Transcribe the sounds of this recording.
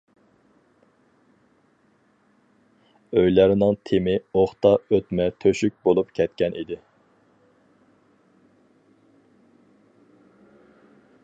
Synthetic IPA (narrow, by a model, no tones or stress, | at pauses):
øjlæɾnɪŋt̪ʰemɪoχt̪ɑøt̪mɛt̪ʰøʃyk̚ʲbolˠupkʲʰɛt̪kʲɛnʔid̪ɪ